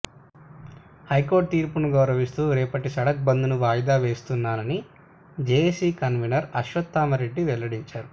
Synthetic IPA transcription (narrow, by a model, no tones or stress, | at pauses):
hɐjko̞ːɾʈ̚t̪iːɾpunuɡɐwɾɐʋist̪uːɾɛːpɐʈiʃɐɽɐk̚bɐnd̪unuʋaːjd̪aːʋe̞ːst̪unːaːnɐni | d͡ʒeːesiːkɐnʋinɐɾɐʃʋɐt̪ːaːmɐɾe̞ɖːiʋɛlːɐɽiɲt͡ʃaːɾu